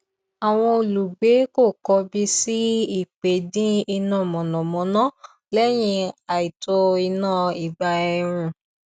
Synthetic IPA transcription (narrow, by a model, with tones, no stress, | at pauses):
a˨w̃ɔ̃˧o˨lu˨ɡ͡be˨˦ko˦˨kɔ˧bi˧si˦i˦˨k͡pe˨dĩ˦i˧nã˦˨mɔ̃˨nɔ̃˨mɔ̃˨˦nã˦ | lɛ˦j̃ĩ˧a˨i˨to˧i˧nãː˦˨i˨ba˧ɛ˧ɾ̃ũ˧